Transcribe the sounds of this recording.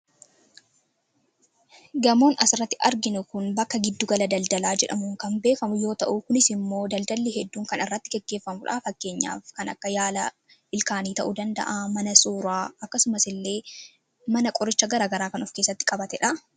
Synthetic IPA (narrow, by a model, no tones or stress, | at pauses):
ɡɐmoːnɐsɪrːɐt̪ːɪʔɐɾɡɪnʊkʊnbɐkːɐɡɪd̪ːʊɡɐlɐd̪ɐld̪ɐlaːd͡ʒɛ̰ᶑɐ̰mʊŋkɐnbe̞ːfɐmʊjo̞ːt̪ɐʔukʊnɪsɪmːo̞ːd̪ɐld̪ɐlːihɛd̪ːuːŋkɐnɪrːɐt̪ːɪɡɛɡːe̞ːfːɐmʊᶑa̰ːfɐkːe̞ːɲːa̰ːfkɐnɐ̰kːɐjaːlɐ | ʔɪlkaːniːt̪ɐʔud̪ɐnd̪ɐ̰ʔaːmɐnɐsuːɾaːɐkːɐsʊmɐsɪlːe̞ː | mɐnɐkʼɔɾɪt͡ʃːɐɡɐɾaːɡɐɾaːkɐnɔfkeːsːɐt̪ːɪ̥kʼɐbɐt̪ɛᶑɐ